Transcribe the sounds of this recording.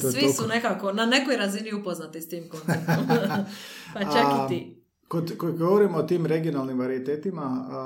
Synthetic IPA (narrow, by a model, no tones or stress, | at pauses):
t̪osʋisunekakonane̞kojɾaziniupoznat̪ist̪iːmko | pat͡ʃakit̪i | kod̪kojiɡoʋoɾimoːt̪iːmɾeɡionalnimʋaɾiit̪eːt̪ima